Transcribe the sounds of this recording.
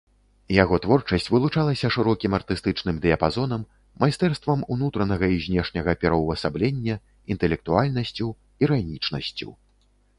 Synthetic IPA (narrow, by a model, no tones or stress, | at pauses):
jaɣɔt̪vɔrt͡ʂɐsʲt͡sʲvɨlˠut͡ʂalˠɐsʲɐʂɨɾɔkʲimɐrt̪ɨst̪ɨt͡ʂnɨmd̪ɨɐpazɔnɐmː | ajst̪ɛrst̪vɐmunut̪ɾɐnɐɣɐizʲnʲɛʂnʲɐɣɐpʲɛɾɐwvɐsablʲɛnʲːɐ | int̪ɛlʲɛk̚t̪ualʲnɐsʲt͡sʲuw | iɾanʲit͡ʂnɐsʲt͡sʲṵw